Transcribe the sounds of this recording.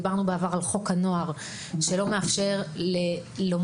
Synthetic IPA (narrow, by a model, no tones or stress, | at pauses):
baʁnubeavaʁalχo̞khano̞aʁ | ʃelo̞me̞afʃe̞ʁle | lo̞m